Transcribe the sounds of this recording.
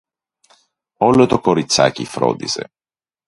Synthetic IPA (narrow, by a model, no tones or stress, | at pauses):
ɔlot̪ɔkoɾit̪sa̰kifɾɔ̰d̪isḛ